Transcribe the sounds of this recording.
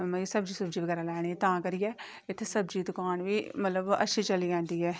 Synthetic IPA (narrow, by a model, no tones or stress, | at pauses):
mə̃səbd͡ʒiːsəbd͡ʒiːʋəɡɛːɾaːlɛːɽ̃iːt̪ãːkəɾiːɛː | ɪt̪ʰːesəbd͡ʒiːd̪ʊkaːnʋiːmət̪ləbə̰ʃʰiːt͡ʃəliːɡɛ̃ːnd̪iːɛː